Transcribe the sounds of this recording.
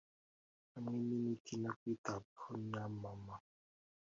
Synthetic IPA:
aŋiminitʰinakwitapunamama

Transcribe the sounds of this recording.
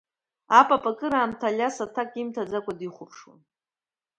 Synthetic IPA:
apʼapʼakʼɨɾaːmtʰalʲasatʰakʼimtʰad͡zakʷʼadiχʷʊpʰʂwa̰n

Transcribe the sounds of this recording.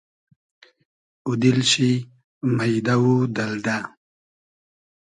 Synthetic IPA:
ud̪ilɕi | majd̪awud̪ɐld̪a

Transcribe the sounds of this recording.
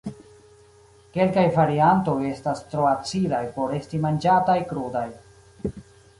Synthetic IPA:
ke̞lkajvaɾianto̞je̞stastɾo̞at͡silajpo̞ɾe̞stimand͡ʒatajkɾodaj

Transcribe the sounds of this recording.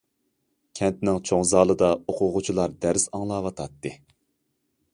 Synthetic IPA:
kʲʰɛnt̪nɪŋt͡ʃʰoŋzɑːlˠɨd̪ɑoqʰʊʁʊt͡ʃʰilˠɑɾd̪æɾsɑŋlˠɑːwɑt̪ʰɑt̪ːɨ

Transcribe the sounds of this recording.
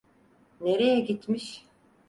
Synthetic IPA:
neɾejɛɡit̪ʰmiʃ

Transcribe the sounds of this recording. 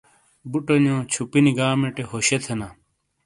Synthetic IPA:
buʈonjõːt͡ɕʰupiniɡaːmeʈeɦoɕet̪ʰena

